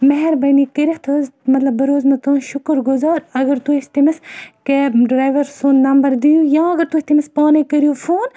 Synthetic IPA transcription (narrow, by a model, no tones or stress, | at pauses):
mɐɦɛɾbɐnikəɾiht̪ʰozmɐt̪lɐbːɨɾoːzmɐt̪õːʃʊkɾɡʊzaːɾɐɡɐɾt̪uist̪imiskeɖɾaːjʋɐɾsonːɐmbɐɾd̪ijujãːɐɡɐɾt̪uht̪imispaːnekɐɾijoːfʰoːn